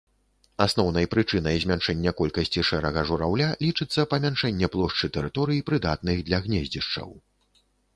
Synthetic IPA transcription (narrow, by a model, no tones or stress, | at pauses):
asn̪ɔwnɐjpɾɨt͡ʂɨnɐjzʲmʲanʂɛnʲːɛkɔlʲkɐsʲt͡sʲiʂɛɾɐɣɐʐuɾawlʲalʲit͡ʂɨt̪sːɐpɐmʲanʂɛnʲːɛplˠɔʂt͡ʂɨt̪ɛɾɨt̪ɔɾɨjipɾɨd̪at̪̚nɨɣd̪lʲɐɣnʲɛzʲd͡zʲiʂt͡ʂɐ̰w